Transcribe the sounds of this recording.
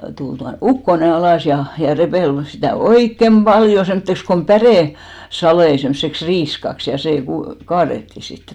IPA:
tul tuɑ ukːone ɑlɑˑs jɑ jɑ repeˑl sitæˑ oikːem b̥ɑljo semːŏtːeks kom pæreˑ sɑlei semseks riːskɑks jɑ seˑ ku kɑːretːi sitːe̥

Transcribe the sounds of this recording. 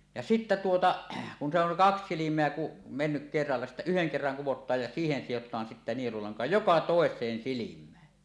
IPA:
jɑ sitːæ tuotɑ kun se oŋ kɑks silimˑeæ ku menːyk kerːɑlːɑ sitːæ yheŋ kerːɑŋ kuwotˑɑːj jɑ siːhen sijotˑɑːn sitːe nielulɑŋkɑ jokɑ toˑesˑeːn silimˑæːn

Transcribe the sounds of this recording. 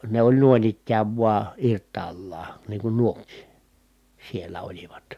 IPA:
ne olʲ nu̞in ikːæːʋ ʋuɑ irtˑɑːlːɑː niːŋ kun nuokˑiː sielːæ oliʋɑt

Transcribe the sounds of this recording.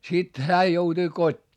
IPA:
sit hæː joutui kotʲːiː

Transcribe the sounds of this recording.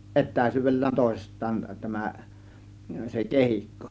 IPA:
ʔetˑæˑĭsˑyːʋˑelːæːn toˑe̝sistˑɑːn tæmæ se kehikːo

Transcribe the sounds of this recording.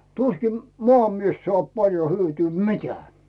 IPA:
tuskim moɑmies soɑˑp pɑljo hyøtyː mi̞teæː

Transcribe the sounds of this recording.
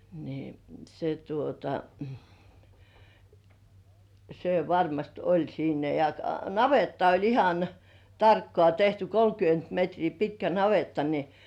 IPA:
ni se tuotɑ se ʋɑrmɑst olʲ siːnæ jɑ nɑʋetːɑ olʲ ihɑn tɑrkːŏɑˑ tehty kolkyønt metriː pitkæ nɑʋetːɑ ni

